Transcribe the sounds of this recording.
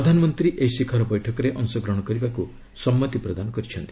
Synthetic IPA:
ɾɔd̪ʱanɔmɔnt̪ɾiʔesikʰɔɾɔbɔjʈʰɔkɔɾeʔɔŋsɔɡɾɔɽ̃ɔkɔɾibaku | sɔmːɔt̪ipɾɔd̪anɔkɔɾit͡ʃʰɔnt̪i̥

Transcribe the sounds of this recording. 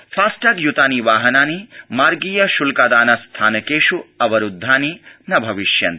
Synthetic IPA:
fʰaːsʈɐkjut̪aːniʋaːɦɐnaːnimaːɾɡiːjɐʃulkaːd̪aːnɐst̪ʰaːnɐkeːʃuɐʋɐɾud̪ʱːaːninɐbʱɐʋiʃjɐn

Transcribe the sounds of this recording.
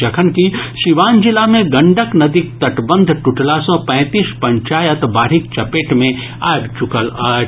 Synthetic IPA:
ɐkʰənkiʃiʋaːnd͡ʒɪlamẽɡɐ̃ɳɖəknɐd̪ik̚t̪ɐʈbə̃nd̪ʱʈʊʈlasɔpɛ̃ːt̪iːspɐ̃ɲt͡ʃaːjət̪bʱaːɾɪk̚t͡ʃɐpeːʈmẽ | aːbt͡ʃʊkəl

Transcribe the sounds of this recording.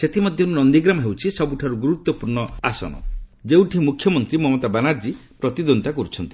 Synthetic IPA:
set̪ʰimɔd̪ʱjɔɾunɔnd̪iɡɾamɔɦewt͡ʃʰisɔbuʈʰaɾuɡuɾut̪wɔpuɾɳɔasɔ̰nɔ̰d͡ʒewʈʰimukʰːjɔmɔnt̪ɾimɔmɔt̪abanaɾd͡ʒipɾɔt̪id̪ɔnit̪akɔɾut͡ʃʰɔnt̪i̥

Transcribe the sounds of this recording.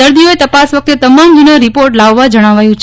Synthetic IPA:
əɾd̪ioet̪əpasʋək̚t̪et̪əmamd͡ʒinəɾipoɾʈlaʋːad͡ʒəɽ̃aʋajũt͡ʃʰ

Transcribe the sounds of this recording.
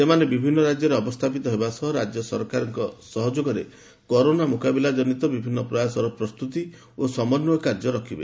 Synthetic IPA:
semanebibʱinːɔɾad͡ʒjɔɾeɔpɔst̪ʰapit̪ɔɦebasɔɦɔɾad͡ʒjɔsɔɾkaɾɔŋkɔsɔɦɔd͡ʒoɡɔɾḛ | kɔɾonamukabilad͡ʒɔnit̪ɔbibʱinːɔpɾɔjasɔɾɔpɾɔst̪ut̪i | osɔmɔnːuɔkaɾd͡ʒɔɾɔkʰibe

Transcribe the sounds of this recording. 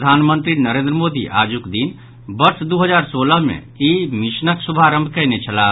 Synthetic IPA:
əd̪ʱanmənt̪ɾinəɾẽːnd̪ɾəmod̪ḭʔa̰d͡ʒukd̪in | bəɾsd̪uɦəd͡ʒaɾsoləɦmḛ̃ | imisnəksubʱaɾəmbʱkəjnet͡ʃʰəla

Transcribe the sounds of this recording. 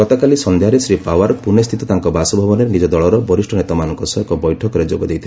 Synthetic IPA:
ɔt̪ɔkalisɔnd̪ʱjaɾesɾipawaɾpunest̪ʰit̪ɔt̪aŋkɔbasɔbʱabɔneɾenid͡ʒɔd̪ɔɭɔɾɔbɔɾisʈʰɔnet̪ɔmanɔŋkɔsɔɔkɔbɔjʈʰɔkɔɾed͡ʒoɡɔd̪ejt̪ʰi

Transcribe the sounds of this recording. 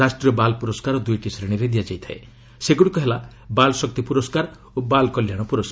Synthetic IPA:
asʈɾijɔbalpuɾɔskaɾɔd̪ujʈisɾeɽ̃iɾed̪ijad͡ʒajt̪ʰaḛ | seɡoɽukɔɦela | balsɔk̚t̪ipuɾɔskaɾ | obalkɔljaɽ̃ɔpuɾɔsk

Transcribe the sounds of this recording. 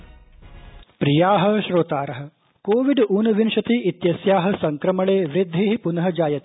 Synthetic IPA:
pɾijaːɦɐ̆ʃɾoːt̪aːɾɐɦɐ̆ | koːʋiɖuːnɐʋinʃɐt̪iːʔit̪jɐsjaːɦɐ̆sɐŋkɾɐmɐɭeːʋɾid̪ʱːiːɦipunɐɦɐd͡ʒaːjɐt̪

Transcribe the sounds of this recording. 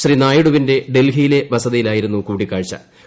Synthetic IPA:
ɕɐrinaːjuɽuʋinde̞ɖe̞lɦijile̞ʋɐsɐðɐjilaːjiɾunːukuːɽikːaːɻt͡ɕːɐ̰

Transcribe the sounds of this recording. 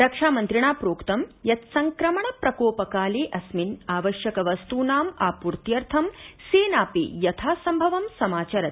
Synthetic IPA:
ɾɐkʂaːmɐnt̪ɾiɳaːpɾoːkt̪ɐmjɐt̪sɐŋkɾɐmɐɳɐpɾɐkoːpɐkaːleːʔɐsminaːʋɐʃjɐkɐʋɐst̪uːnaːma̰ːpuɾt̪jɐɾt̪ʰɐmseːnaːpḭjɐt̪ʰaːsɐmbʱɐʋɐmsɐmaːt͡ʃɐɾɐt̪

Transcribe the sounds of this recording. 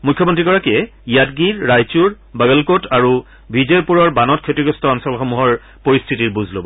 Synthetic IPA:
mukʰːjɔmɔntɹiɡɔɹakiɛ | ijatɡiɹːajt͡ʃuɹ | baɡalkotʰaɹu | bʱid͡ʑejpuɹɔɹbanɔt̚kʰetiɡɔstʰɔɔnsɔlxɔmuɦɔɹ | poɹist̪ʰitiɹbuzʱlobɔ

